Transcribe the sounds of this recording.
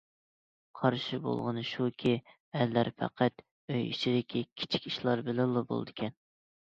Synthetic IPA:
qʰɑɾʃɪbo̰lˠʁənɨʃukʲʰi | ɛlːæɾfʰæ̰qʰæt̪ | øjḭʃid̪ɪkʲikʲʰi̥t͡ʃʰi̥kʲiʃlˠɑɾbɪlɪlˠːɨbo̰l̰ˠd̪ɨkʲʰɛn

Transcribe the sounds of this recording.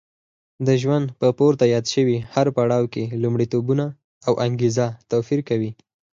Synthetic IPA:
d̪əʒwand̪pəpoɾt̪ajɑd̪ʃəwihaɾpaɽɑwkelumɽit̪obuna | awʔaŋɡezat̪afiɾkawi

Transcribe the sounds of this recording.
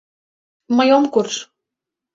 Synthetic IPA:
mɤjomkurʃ

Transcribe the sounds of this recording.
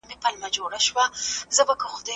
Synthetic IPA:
mepalmad͡ʒoɽaʃwazəbakəxʊd̪a

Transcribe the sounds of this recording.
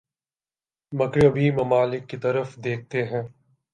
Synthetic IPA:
mɐkɾəbʱimɐmaːlɪkːit̪ɐɾəfd̪eːk̚ʰt̪eɦɛ̃ː

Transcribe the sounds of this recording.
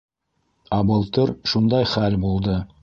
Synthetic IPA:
æbɤ̆lˠt̪ɤɾʃund̪ɑjχælbulˠd̪ɤ

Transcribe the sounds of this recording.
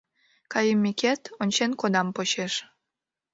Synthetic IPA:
kɑjəmːikʲet̪onʲt͡ɕenkod̪ɑmpoɕeʃ

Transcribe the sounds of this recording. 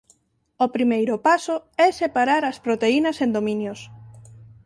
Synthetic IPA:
opɾimejɾʊpasoɛsepaɾaɾɐspɾot̪einɐsend̪omĩnjʊs

